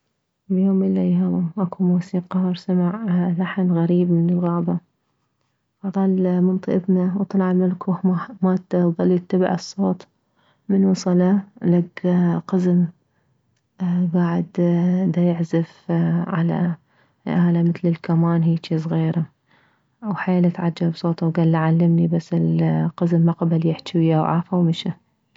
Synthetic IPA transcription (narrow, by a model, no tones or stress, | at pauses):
bjoːmɪlːajaʔakumuːsiːqɑhɑɾsamaʕlaħnɣaɾiːbmɪnɪlɣɑːba | fɑt̪ˤɑːlmʊnt̪ˤɨʔɪbnawt̪ˤɑlʕalmalkuhamat̪ðˤɑlːit̪ːab̰ʕɨsˤːoːt̪ˤ | mɪnwʊsˤɑlalaɡqɑzm | ɡaːʕɪd̪d̪ajɪʕzɪfʕala̰ | ʔaːlamɪt̪lɪlkamaːnɦiːt͡ʃiːs̬ˤɣiːɾa | wħaalat̪ʕad͡ʒːabsˤoːt̪ˤwɡalːaʕalːɪmnibasːɪlqɑzmːaqɑbaljɪħt͡ʃwɪjawʕa̰ːfawmɪʃa